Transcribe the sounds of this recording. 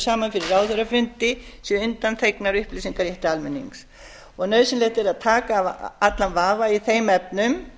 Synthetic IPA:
saːmanfɪɾɪraːwðθœɾafʏnt̪ɪsjɛʏnt̪ant̪ʰejknaɾʏhpliːsiŋkaɾjɛht̪ɪalmɪnːḭŋs | ɔɣnœɥsɪnlet̪ɪɾaðt̪ʰaːkaːvat̪lanvaːvaiθejmɛpnʏm

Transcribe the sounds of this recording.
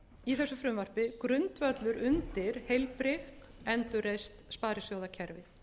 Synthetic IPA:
iθɛsːʏfɾʏmvar̥pɪkɾʏnt̪vœt̪lʏɾʏnt̪ɪɾ̥hejlpɾɪxkɛnt̪ʏɾejst̪spaːɾɪsjowðacʰɛɾvɪ

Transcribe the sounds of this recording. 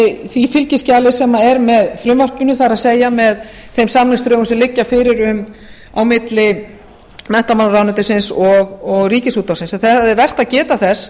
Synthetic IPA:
θifɪlcɪscaːlɪsɛmaɛɾmɛðfɾʏmvar̥pʏnʏθaɾaðseːjamɛð | θejmsamnɪst̪ɾœːɣsɛmlɪcːafɪɾɪɾʏm | awmɪt̪lɪ | mɛn̥t̪amanɾawnʏt̪ɪsɪnsɔɣɔɣriːcɪsuːt̪ːawsɪnsaθɛaðɛɾvɛr̥t̪aðcɛːt̪aθɛs

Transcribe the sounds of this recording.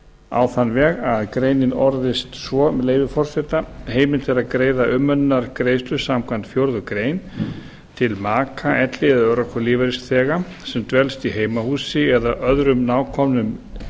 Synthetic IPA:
a̰wθanːvɛːɣaðkɾeːjnɪnɔɾðɪst̪svɔmleːjvɪfɔr̥sɛt̪aheːjmɪnt̪ʰɛɾaðkɾeːjðaʔʏmːœnːaɾkɾeːjst̪lʏsamkʰvant̪fjowɾðʏkɾeːjn | t̪ʰɪlmaːkʰaʔɛt̪lɪɛðœɾakʰɔliːvaɾɪst̪θɛːɣa | sɛmt̪vɛlst̪iɦeːjmahuːsɪɛðaʔœðɾʏmnaːwkʰɔmnʏm

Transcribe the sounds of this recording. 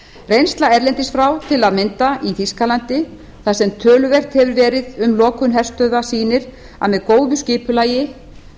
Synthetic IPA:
rejnst̪laɛɾlɛnt̪ɪsfɾawt̪ʰɪlaðmɪnt̪aʔiθiskalant̪ɪ | θasɛmt̪ʰœːlʏvɛr̥t̪hɛvʏɾvɛːɾɪðʏmlɔːkʏnɦɛr̥st̪œðasiːnɪɾ | a̰mɛðkoːwðʏscɪːpʏlaːjɪ

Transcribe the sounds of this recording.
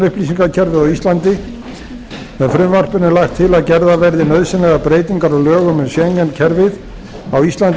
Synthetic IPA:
ʏhplisiŋkaɾcʰɛɾvɪðawist̪lant̪ɪ | ɛfɾʏmvar̥pʏnɛlaxt̪ʰːɪlaðcɛɾðavɛɾðɪnœðsɪnlɛɣapɾeːjt̪iŋkaɾɔlœːɣʏmɛnsjɛɲcɛncʰɛɾvɪð | awist̪lant̪

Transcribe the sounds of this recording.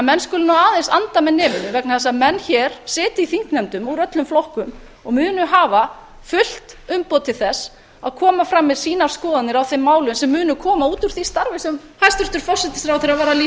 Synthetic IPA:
mɛnːskʏlʏnawaːðensant̪amɛðnɪːmʏnɪvɛknaθɛs̬amɛnːçɛɾ̥sɪːt̪ɪiθiŋ̥k̪nɛmt̪ʏmuɾœt̪lʏmflɔhkʏm | ɔɣmʏːnʏɦaːva | fʏl̥t̪ʏmpɔt̪ʰɪlθɛs | a̰ðkʰɔːmafɾamːɛðsiːnaɾ̥skɔːðat̪nɪɾawθemːaːwlʏmsɛmːʏːnʏkʰɔːmauːt̪uɾ̥θist̪aɾvɪsɛm | hajst̪ʏɾ̥t̪ʏɾfɔr̥sɛt̪ɪ̥sɾawθɪɾavɛːɾaliː

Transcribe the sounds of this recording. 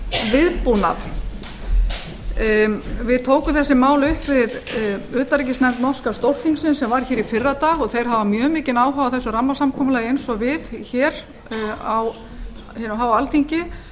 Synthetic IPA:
vɪðpuna̰θ | vɪðt̪ʰoːwkʏmθɛsːɪmaːwlʏhpvɪðʏːt̪aɾicɪsnɛmt̪nɔ̥skast̪owr̥θiŋksɪnsɛmvaɾ̥çɛːɾifɪrːat̪aːɣɔɣθejɾ̥ɦavamjœːmɪːcɪnaːwɦaːwaθɛsːʏɾamːasamkʰɔːmʏlajejnsɔvɪðçɛːɾ | aw | hɛnɦawalt̪iɲcɪ

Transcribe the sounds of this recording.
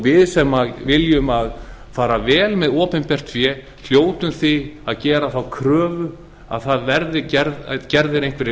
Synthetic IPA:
vɪðsɛmːavɪljʏmaðfaːɾavɛːlmɛðɔːpɛnpɛr̥t̪fjɛ | l̥joːwt̪ʏmθiaðcɛːɾaθawkʰɾœːvʏ | a̰ðθaðvɛɾðɪcɛɾcɛɾðɪɾejŋ̥kvɪɾɪ

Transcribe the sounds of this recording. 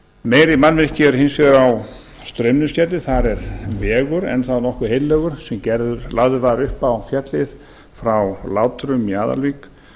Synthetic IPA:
meːjɾɪmanmɪɾ̥cɪɛɾhensfɛðʏɾaw | st̪ɾœmnʏscɛt̪lɪθaɾɛɾvɛːɣʏɾɛ̰nθaðnɔhkʏhejnlːɛːɣʏɾ̥sɛmcɛɾðʏɾlaɣðʏɾvaðɾʏhpawfjɛt̪lɪð | fɾawlaːwt̪ʰɾʏmːjaːða̰lviːk

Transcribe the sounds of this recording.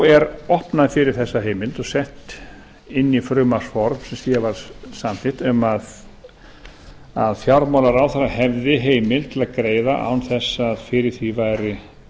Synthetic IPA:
ɛɾɔhpnaðfɪɾɪɾ̥θɛsːaɦeːjmɪlt̪ɔɣsɛht̪ | ɪnːifɾʏːmasfɔɾmsɛmsjɛvaɾ̥sanθɪht̪ʏmað | aðfjaɾmawlaɾaːwθaɾaɦɛvðɪɦeːjmɪlt̪ʰɪlaðkɾeːjðaʔa̰wnθɛsːaðfɪɾɪɾ̥θivajɾɪ

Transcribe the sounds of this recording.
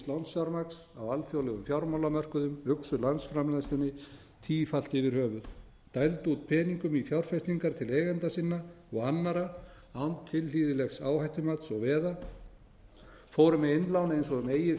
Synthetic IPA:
t̪lawnsfjawɾmaksawalθjowlɛɣʏmfjawɾmawlamœr̥kʏðʏmʏksʏlansfɾamlajnst̪ʏnːɪ | t̪ʰiːfal̥t̪ɪvɪɾ̥hœːvʏð | t̪ajlt̪ut̪̚pʰɛːniŋkʏmifjawɾ̥fɛst̪iŋkaɾ̥t̪ʰɪleːjɣɛnt̪asɪnːa | ɔɣanːaɾa | awnt̪ʰːɪlliːðɪlɛxsa̰ːwhajht̪ʏmat̪sɔɣvɛːða | foːwɾʏmɛejnlawnaejnsɔɣʏmejɪ

